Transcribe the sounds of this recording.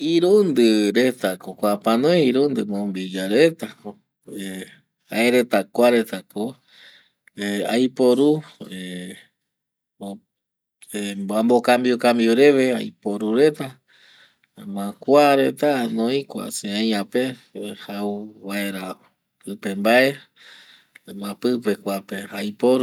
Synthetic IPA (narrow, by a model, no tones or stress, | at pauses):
iɾund̪ɨɾe̞t̪akokʷapãnoeiɾund̪ɨmõmbid͡ʒaɾet̪ako | hae̞ɾe̞t̪akʷaɾe̞t̪ako | eajpoɾue | ebambokambiokambjoɾe̞βe̞ajpoɾuɾe̞t̪a | mãkʷaɾe̞t̪anõĩkʷa̰seãjãpehauβaeɾa | pɨpe̞mbae̞ | mãpɨpe̞kʷapeajpoɾ